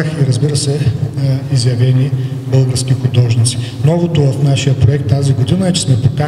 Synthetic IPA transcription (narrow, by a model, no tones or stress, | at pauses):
xiɾəzbiɾəsɛ | izjɐvɛnibɤlˠɡəɾskʲixʊd̪ɔʒnit̪si̥nɔvot̪ʊvɐfnaʃijəpɾoɛk̚t̪ːaziɡod̪inəɛt͡ʃɛ̥smɛpoka